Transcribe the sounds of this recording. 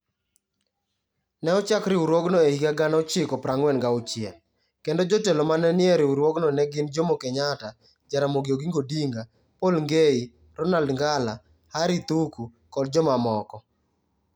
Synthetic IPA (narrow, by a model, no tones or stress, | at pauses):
nɛɔt͡ʃakɾɪuɾwɔɡnɔehikaɡanɔt͡ʃɪkɔpɾaŋwɛnɡaʊt͡ʃɪa̰ | kendod͡ʒotelomanɛnɪɛɾɪuɾwɔɡnɔnɛɡɪnd͡ʒomokɛɲata | d͡ʒaɾamoɡioɡiŋɡodiŋɡa | polŋɡei | ɾɔnaldŋɡala | haɾit̪uku | kɔd̚d͡ʒɔmamɔkɔ